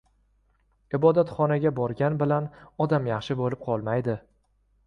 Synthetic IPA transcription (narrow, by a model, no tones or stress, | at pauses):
ɪbɒd̪at̪χɒnaɡʲabɒɾɡʲanbɪlanɒd̪amjɑχʃɪbolɪp̚qʰɒlˠmajd̪ɪ